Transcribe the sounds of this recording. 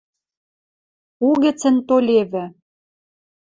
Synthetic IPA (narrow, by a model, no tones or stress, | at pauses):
uɣɘ̆t͡sə̆nt̪olʲeβɘ̆